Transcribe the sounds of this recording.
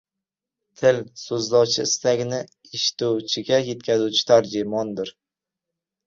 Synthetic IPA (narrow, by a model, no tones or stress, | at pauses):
t̪ʰɪlsɵzlɒwt͡ʃʰɪɪst̪aɡʲnɪ | eʃt̪uwt͡ʃʰɪɡʲaje̞t̪̚kʲʰazuwt͡ʃʰɪ̥t̪ʰaɾd͡ʒɪmɒnd̪ɪɾ